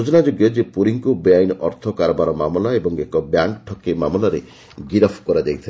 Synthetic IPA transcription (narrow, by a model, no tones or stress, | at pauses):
d͡ʒɔnad͡ʒoɡjɔd͡ʒepuɾiŋkubiajnʔɔɾt̪ʰɔkaɾɔbaɾɔmamɔlaebɔŋekɔbjaŋkʈʰɔkimamlaɾe | ɡiɾɔpʰkɔɾad͡ʒajt̪ʰi